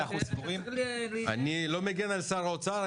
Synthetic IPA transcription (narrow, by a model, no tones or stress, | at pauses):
aχusboʁima̰nilomeɡenalsaʁaot͡saʁa